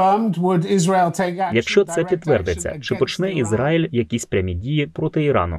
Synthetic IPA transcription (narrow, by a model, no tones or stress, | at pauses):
ɜːmdwədɪzɹeɪlˠtʰeɪkjɐkʃt͡ʃɔt̪sɛpʲid̪ʋɛrd̪et͡sʲːɐ̰t͡ʃɪpɔt͡ʃnɛizɾɑjilʲjɐkʲisʲpɾʲɐmʲidʲijipɾɔt̪ɪiɾɑ̰nʊ̰